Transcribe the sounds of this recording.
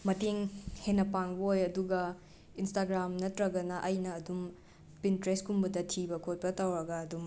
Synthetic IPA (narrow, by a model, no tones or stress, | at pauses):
mɐteŋhenːɐpaŋbɐojɐduɡɐ | instaɡɾamnɐtɾɐɡɐnɐʔɐjnɐːdum | pintɾeskumbɐdɐtʰibɐkʰot̚pɐtawɾɐɡɐːdum